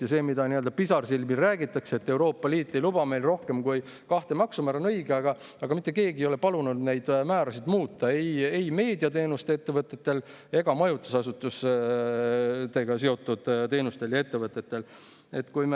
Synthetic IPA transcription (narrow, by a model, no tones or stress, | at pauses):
jɑse̞ːmid̪ɑniø̞ld̪̥ɑpisɑrsilmilræːɡit̪ːˑɑkseet̪ːe̞wɾo̞ːpˑːɑliːt̪ːˑe̞jlub̥ɑme̞jlro̞hke̞mkuj | kɑht̪e̞mɑksumæɾonɤjɡeɑɡ̥ɑ | ɑɡ̥ɑmit̪ːˑeke̞ːɡijo̞le̞pɑlunud̪ne̞jd̪̥mæːɾɑsid̪muːt̪ːˑɑe̞je̞jme̞ːd̪iɑt̪e̞ːnust̪eet̪ːe̞vɤt̪ːˑe̞t̪ːe̞l | e̞ɡ̥ɑmɑjut̪ːˑu̥sɑsut̪ːˑus | t̪e̞ɡ̥ɑs̬e̞o̞t̪ːˑud̪̥t̪e̞ːnust̪e̞ljɑe̞t̪ːe̞vɤt̪ːˑe̞t̪ːe̞l | e̞t̪ːkujme